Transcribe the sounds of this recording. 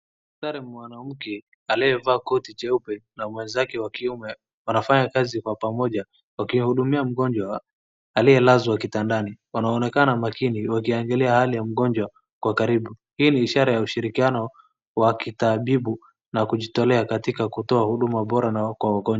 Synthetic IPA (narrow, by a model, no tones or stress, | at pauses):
saɾɛmmwanam̩kɛ | aliɛvaːkɔtit͡ʃɛupɛnamwɛnzakɛwakiumɛ | wanafaɲakazikwapamɔʄa | wakihuɗumiam̩ɠɔɲd͡ʒwaː | lijɛlazwakitandaniwanaːnɛkanamakiniwakiaŋɡɛlɛahalijam̩ɠɔɲd͡ʒwa | kwakaɾiɓu | hiːniːʃaɾajauʃiɾikianɔ | wakitaɓiɓu | nakuʄitɔlɛakatikakutɔahuɗumaɓɔɾanakwawaɡɔɲd͡ʒa